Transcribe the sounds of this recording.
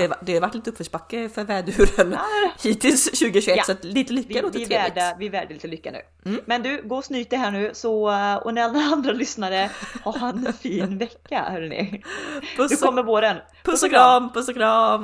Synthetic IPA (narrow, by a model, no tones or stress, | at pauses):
ad̪ɛhaɾvaʈːliːt̪əɵpːfœʂpakːəfœɾvɛːd̪ʉːɾənhiːt̪ʰɪlsɕʉ̟ːɡəɕʉɛsat̪liːt̪əlʏkːanoːt̪ːɪvɾæːɖəvɪvæːɖəliːt̪əlʏkːanʉ̰ː | mɛnd̪ʉ̟ːɡoːsnyːt̪əɾɦæːɳʉ̟ːsɔɔ̰næɾalːaand̪ɾalʏsnaɾəhahanfiːnvɛkkːahœːɖɛnɪ̰ | pʰd̪ɵɔmːəɾvoːɾən | pʰɵsɡɾɑmpʰɵsɡɾɑ